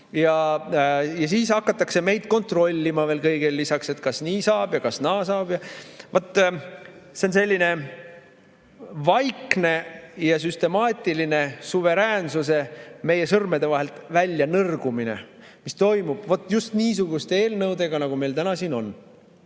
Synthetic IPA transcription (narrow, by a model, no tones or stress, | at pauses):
jɑ | jɑsiːsɑkːˑɑt̪ːˑɑkse̞me̞jd̪̥ko̞nt̪ro̞lʲːimɑve̞ːlkɤjɡ̥elːisɑkse̞t̪kɑsniːsɑːb̥jɑkɑsnɑːsɑːb̥jɑvot̪ˑː | seonse̞lʲːine̞ | vɑjkne̞jɑs̬yst̪e̞mɑːt̪ʲːˑiline̞suve̞ɾæːnsuse̞me̞je̞sɤrmed̪e̞vɑɦe̞lt̪vælʲːjɑnɤrɡ̥umine̞̰ | mist̪o̞jmub̥vo̞t̪ːˑjust̪niːsuɡust̪ee̞ːlnɤwd̪e̞ɡɑnɑɡ̥ume̞jlt̪ænɑsiːno̞n